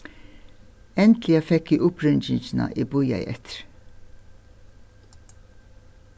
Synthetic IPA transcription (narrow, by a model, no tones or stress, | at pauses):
ɛnt̪lɪɑfɛkːiʔʊpɾʏnd͡ʒɪnsnɑ̰ʔiːbʊjɑ̰ɪʔɛ̰t̪ɾ